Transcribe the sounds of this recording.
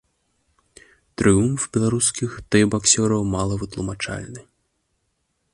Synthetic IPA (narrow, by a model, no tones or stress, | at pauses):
t̪ɾɨjumfbʲɛlˠaɾuskʲixt̪ɛbaksʲɔɾɐwmalˠɐvɨt̪lˠumat͡ʂa̰lʲnɨ